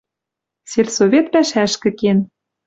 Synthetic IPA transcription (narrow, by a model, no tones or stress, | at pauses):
serʲsovʲet̪pæʃæʃkɘ̆ken